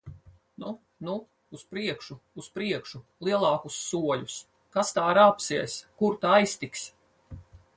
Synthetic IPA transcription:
nu | nuː | spɾiɛkʃuːspɾiɛkʃulˠiɛlˠɑːkusːuɔlʲus | kast̪aːɾapsiɛskuɾt̪aajst̪iks

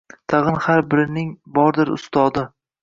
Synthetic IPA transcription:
t̪ʰɑʁɨnhaɾbɪɾɪnɪŋbɒɾd̪ɪɾʊ̰st̪ɒd̪ɪ

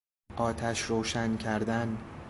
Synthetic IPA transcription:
ʔɒːt̪ʰæʃɾowʃæncʰæɾd̪æn

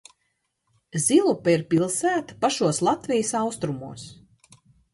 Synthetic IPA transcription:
zʲilˠupaiɾpʲilˠsæːt̪ḁpaʃuɔslˠat̪vʲijɪsawst̪ɾumuɔs

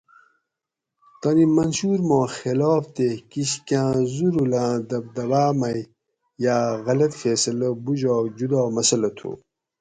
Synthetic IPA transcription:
t̪ɐnimɐnɕuɾmõːxeloːft̪ekiɕkãːzuɾulãːd̪ɐbd̪ɐwaːmɐj | jaːɣɐlɐt̪feːsɐlɐbuʑɔːd͡ʑud̪ɔːmɐsɐlɐt̪ʰṵ

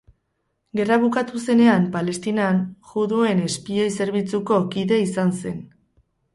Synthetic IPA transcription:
ɡe̞raβukat̪use̞ne̞ampale̞st̪inanʝuðue̞ne̞spio̞jse̞ɾβ̞it͡suko̞kiðe̞isanse̞n

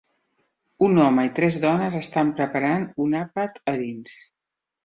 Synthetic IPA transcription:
unɔməit̪ɾɛzðɔnəzəst̪ampɾəpəɾanunapət̪əðins

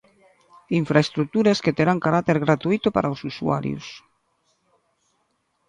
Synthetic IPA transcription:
iɱfɾaest̪ɾuk̚t̪uɾasket̪eɾaŋkaɾat̪eɾɣɾat̪uit̪opa̰ɾʔaosusua̰ɾj̰ṵs

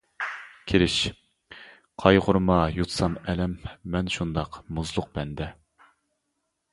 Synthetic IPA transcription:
kʲʰeɾɪʃ | qʰɑjʁʊɾmɑjut̪ʰsɑmɛlɛmːɛnʃund̪ɑqmuzlˠʊq̚bɛnd̪ɛ

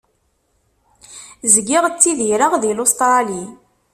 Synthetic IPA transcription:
zɡɪʁt͡sːiðiɾəʁðilost̪ˤɾɑli

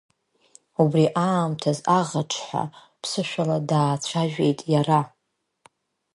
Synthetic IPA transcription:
ubriʔaːmtʰazaʁaʈ͡ʂʰħʷa̰ | pʰsɨʃʷᶣaladaːt͡ɕʷʰaʒᶣe̞jtʼjara

